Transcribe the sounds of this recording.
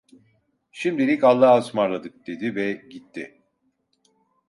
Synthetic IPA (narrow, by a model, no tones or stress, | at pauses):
ʃimd̪ilʲikalˠːaːɯsmaɾlˠad̪ɯk̚d̪̥e̞d̪ivɛɟit̪ʰːɪ